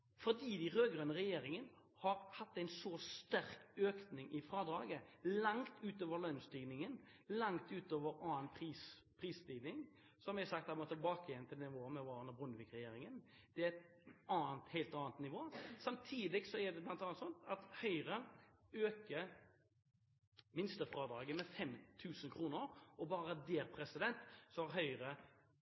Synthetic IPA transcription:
fɔd̪iːd̪æɪɾøːɡʁœnəʁɛjeːɾɪŋən | hɑɾhɑt̪ːæɪnsɔst̪æɾkøːknɪŋʔɪfɾɑːd̪ɾɑːɡəlɑŋt̪ʉːt̪oːʋəlœnst̪yːɡnɪŋən | lɑŋt̪ʉːt̪oːʋəɾɑːənpʰʁiːs | pʰɾiːst̪ɪɡ̪nɪŋ | sɔmʋæsɑk̚t̪hæmɔt̪ʰɪlbɑːkəjɛnt̪ɪlnɪʋoːmɛʋɑːɾənɑbʁʊnəʋɪkʁɛjeːɾɪŋən | d̪̥ɛæɛt̪ | ɑːnt̪hɛɪlt̪ɑːnt̪nɪʋoːsɑmt̪ʰiːd̪ɪɡsɔæd̪ɛblɑnt̪ɑːnt̪sɔnt̪ɑt̪hœʏɾəøːkə | mɪnst̪əfɾɑːd̪ɾɑːɡənmɛfɛmt̪ʰʉːsənkʰɾuːnəɾɔbɑːɾəd̪eːɾpʰɾɛsɪd̪ɛnt̪sɔɑɾɦœʏʁə

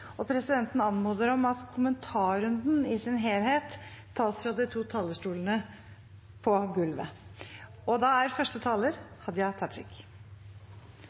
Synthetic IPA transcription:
ɔpʰɾɛsɪd̪ɛnt̪n̩ɑnmoːd̪əɾɔmɑt̪kʰʊmənt̪ʰɑːɾʉnd̪n̩ɪsɪnɦeːlheːt̪ʰː | ɑːsfɾɑd̪ɪt̪ʰuːt̪ʰɑːləʂʈuːlənə | pʰɔɡʉlʋə̰ | ɔd̪ɑæɾfœʂʈət̪ʰɑːləɾhɑd̪jɑt̪ʰɑʈ̪ɾɪ̰k

